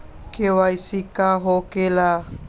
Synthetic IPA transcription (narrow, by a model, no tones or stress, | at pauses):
kewajsikaɦokela